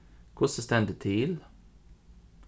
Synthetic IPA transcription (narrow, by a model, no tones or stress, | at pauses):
kʰʊsəst̪ɛnd̪ət̪ʰiːl